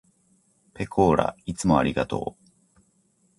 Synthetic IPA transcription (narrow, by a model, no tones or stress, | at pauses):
pe̞kʰo̞ːɾa̰it͡sɨmo̞aɾʲiɡat̪o̞̰ː